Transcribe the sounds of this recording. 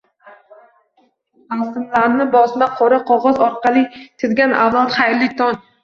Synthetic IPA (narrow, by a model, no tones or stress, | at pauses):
asɪmlaɾnɪbɒsmaqʰoɾɪqʰɒʁɒzɒɾqʰɑlˠɪt̪ʰɪd̪ɡʲanʔa̰vlˠat̪χajɾlːɪt̪ʰɒn